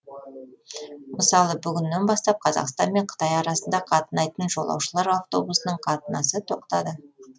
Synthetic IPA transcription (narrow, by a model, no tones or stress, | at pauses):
məsɑlˠəbʏɡʲɪnːenbɑst̪ɑp̚qʰɑzɑ̰qst̪ɑnme̞ɴqʰə̥t̪ɑjɑɾɑsənd̪ɑqʰɑt̪ənɑjt̪ənʒo̞lˠɑ̰wʃəlˠɑɾavt̪o̞busnəɴqʰɑt̪ənɑsət̪ʰo̞q̚t̪ɑd̪ə